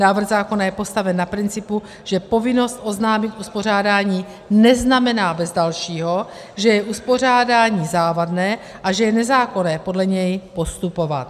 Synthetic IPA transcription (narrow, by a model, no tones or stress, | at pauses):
naːvr̩ɣzaːko̞najɛpo̞st̪avɛnːapɾɪnt͡sɪpu | ʒ̥ɛpo̞vɪno̞st̪ʔo̞znaːmɪt̪ʔuspor̝aːdaːɲiː | nɛznamɛnaːbɛzdalʃiːɦo̞ | ʒɛjɛʔuspo̞r̝aːdaːɲiːzaːvadnɛː | ʔaʒɛjɛnɛzaːko̞nɛːpo̞dlɛɲɛjpo̞st̪upo̞va̰t̪